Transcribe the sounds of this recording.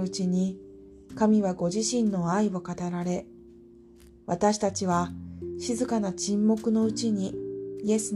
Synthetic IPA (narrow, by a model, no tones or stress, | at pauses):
ɯ̟t͡ɕiɲ̟i | kamʲiβaɡo̞ʑiɕĩnːo̞aio̞kat̪aɾaɾe̞ | βat̪aɕi̥t̪at͡ɕiβ̞aɕizɨkanat͡ɕĩmːo̞kɯ̟no̞ɯ̟t͡ɕiɲ̟iie̞sɨ